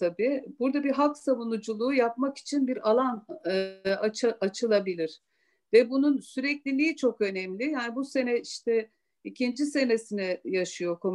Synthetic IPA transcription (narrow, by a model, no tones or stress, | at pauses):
t̪ʰabiːb̥uɾd̪abiɦaksavunud͡ʒulˠuːjapmaki̥t͡ʃʰinbiɾalˠan | at͡ʃaʔat͡ʃʰɯlˠabilʲiɾ̥ | vɛbununsyɾɛclʲilʲiit͡ʃʰo̞kø̞nɛmlʲijaːnibuse̞nɛiʃt̪ɛ | icʰind͡ʒise̞nesinɛjaʃɯjo̞kʰo̞m